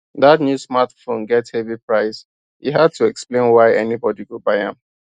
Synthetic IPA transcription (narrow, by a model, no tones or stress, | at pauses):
ðatnjusmatfõnɡɛthɛvipɹaɪs | hḭɦad̚tʰuɛksplẽɪ̃nwaɪʔɛnibɔdiɡobaɪã̰m